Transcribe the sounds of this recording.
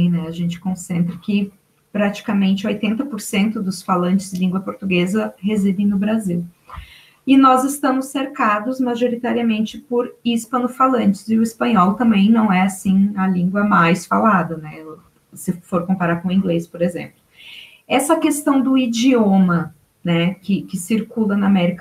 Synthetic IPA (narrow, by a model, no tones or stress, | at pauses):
nɛaʒẽnt͡ʃɪ̥kõsẽnt̪ɾɐkɪ | pɾat͡ʃi̥kɐmẽnt͡ʃɪojt̪ẽnt̪ɐpoɾsẽnt̪ʊd̪ʊsfalɐ̃nt͡ʃɪ̥zlĩŋɡwɐpoɾt̪uɡezɐhezid̪ẽj̃nʊbɾaziw | ɪnɔzɪst̪ɐ̃mʊsːeɾkad̪ʊzmaʒoɾit̪aɾiɐmẽnt͡ʃɪpʊɾispɐnʊfalɐ̃nt͡ʃɪ̥zɪʊispɐ̃ɲɔwt̪ɐ̃mbẽj̃nɐ̃w̃ɛasĩɐlĩŋɡwɐmajsfalad̪ɐnɛ | sɪfoɾkõpaɾaɾkõĩŋɡlespoɾezḛ̃mplʊ | ɛsɐkest̪ɐ̃w̃d̪ʊid͡ʒiomɐ | nɛkɪkɪsiɾkulɐnɐːmɛɾikɐ